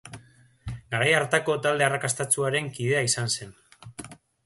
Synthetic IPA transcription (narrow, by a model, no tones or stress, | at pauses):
ɡaɾajaɾt̪ako̞t̪ald̪e̞arakast̪at͡suaɾe̞ŋkið̞e̞aisanse̞n